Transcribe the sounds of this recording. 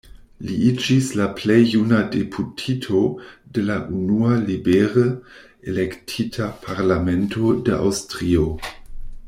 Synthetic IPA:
liid͡ʒislaplejːunadepʰutʰitʰodelaʔunualibeʁə | elektʰitʰapʰaʁlame̞ntodeʔa̰wstʁio̞

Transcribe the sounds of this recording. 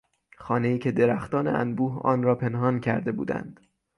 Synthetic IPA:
xɒːne̞iːcʰe̞d̪eɾæxt̪ɒːnḛʔæ̰nbuːhɒ̰ːnɾɒːpʰe̞nhɒːncʰæɾd̪e̞bṵːd̪æ̰nd̪̥

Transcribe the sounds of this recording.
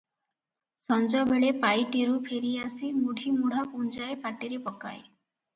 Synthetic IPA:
sɔnd͡ʒɔbeɭepajʈiɾupʰeɾiasimuɽʱimuɽ̤apund͡ʒaepaʈiɾepɔka̰j

